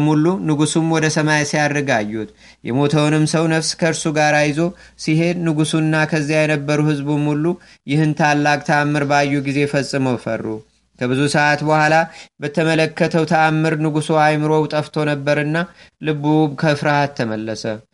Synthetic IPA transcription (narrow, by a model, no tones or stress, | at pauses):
mulunɨɡusumwɔd̪əsəmajsijad̪ɾɨɡajːut̪ | jɛ̰mo̞t̪ʰəwnɨmsəwnəfskʰəɨɾsuɡaɾajzo̞ | sihe̞d̪nɨɡusuɨnːakʰəzːijajɛnəbːəɾuhɨzbɨmulu | jɪhɨnt̪ʰalːakʼt̪ʰəamːɨɾbəajːuɡize̞fəsʼːɨməwfə̰rːu | kʰəbɨzusəʔat̪bəhʷalabət̪ʰəmələkːət̪ʰəwt̪ʰəamːɨɾnɨɡusoajmɨɾo̞wt̪ʼəft̪ʰo̞nəbːəɾɨnːalɨbubkʰəfɾahat̪ʰːəməlːəsə